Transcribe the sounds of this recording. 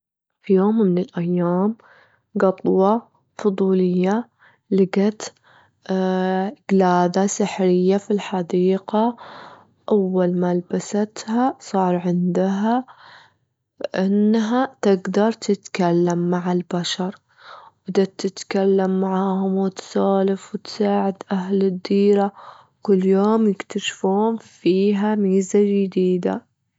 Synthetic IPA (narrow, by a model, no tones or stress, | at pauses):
fijoːmːɪnɪlʔajːaːm | ɡɑt̪ˤwɑ | fʊd̪ˤuːlɪjːa | lɪɡat̪ | ɪɡ̥laːd̪asaħɾɪjːafilħɑd̪iːqa | ʔawːalmalbasat̪hasˤɑːɾˤʕɪnd̪ɦa | ʔɪnːɦat̪ɪɡd̪ɑɾˤt̪ʰɪt̪kalːamːaʕɪlbaʃɑɾˤ | bd̪at̪ɪt̪kalːamːaʕaːhʊmwɪt̪saːlɪfwɪt̪saːʕɪd̪ʔaɦlɪd̪ːiːɾa | kʊlːjoːmjɪkt̪aʃfuːnfiːɦamiːzad͡ʒɪd̪iːd̪a̰